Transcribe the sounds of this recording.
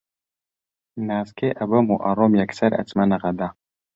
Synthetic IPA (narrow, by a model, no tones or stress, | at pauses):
naːskʰeːʔɐbɐmuʔɐɾoːmjɐksɐɾɐ̰t͡smɐnɐʁɐd̪a